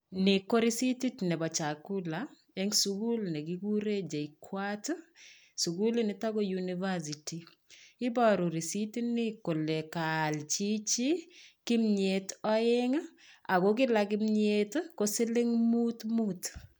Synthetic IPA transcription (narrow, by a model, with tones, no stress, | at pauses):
nɪ˨ko˦ɾi˦siti˦tnɛ˨bɔ˨t͡ʃa˨ku˦la | ɛ˦ŋsuɡu˦lnɛ˨ki˦ɡu˦ɾe˦d͡ʒe˨ikʰwat | su˨ɡu˦li˦nɪ˨ta˦ko˦juniva˦s̬i˨ti˨ | ɪ˦bɔɾu˨ɾi˨si˦ti˦nɪ˦ko˨le˨kalt͡ʃi˦t͡ʃi˦kɪ˦mɲe˨tɔ˦ɪŋ | a˨ko˦kɪ˦lakɪ˦mɲetkosɪ˦lɪ˦ŋmutmut